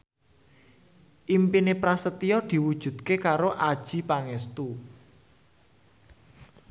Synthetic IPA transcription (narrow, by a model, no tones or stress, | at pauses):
ʔimpinepɾasət̪iɔd̪̥i̤wud̥ʒ̥ṳd̪̥̚kekaɾoʔad̥ʒ̥i̤paŋɛst̪u